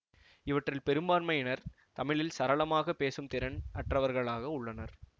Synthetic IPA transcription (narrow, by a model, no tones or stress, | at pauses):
ɪʋɐʈrɪlpɛɾɯmbaːnmɐjɪnɐɾ | t̪ɐmɪɭɪlsɐɾɐɭɐmaːɣɐpːeːsɯmt̪ɪɾɐnʔɐʈrɐʋɐɾɣɐɭaːɣɐʊɭːɐnɐɾ